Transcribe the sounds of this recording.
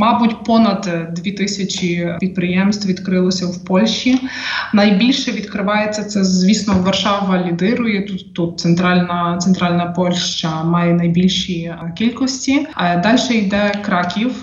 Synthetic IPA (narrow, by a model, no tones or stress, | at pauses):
mɑbʊtʲpɔnɐd̪d̪ʋʲit̪ɪsʲɐt͡ʃʲipʲid̪̚pɾɪjɛmst̪ʋʲid̪kɾɪlˠɔsʲɐwpɔlʲʃt͡ʃinɐjbʲilʲʃɛʋʲid̪kɾɪʋɑjet͡sʲːɐt̪sɛzʋʲisnɔwʋɐrʃɑʋɐlʲid̪ɪɾʊjɛt̪ut̪ut̪̚t̪sɛnt̪ɾɑlʲnɐt̪sɛnt̪ɾɑlʲnɐpɔlʲʃt͡ʃɐmɑjɛnɐjbʲilʲʃikʲilʲkɔsʲtʲid̪ɑlʲʃɛjd̪ɛkɾɑkʲiw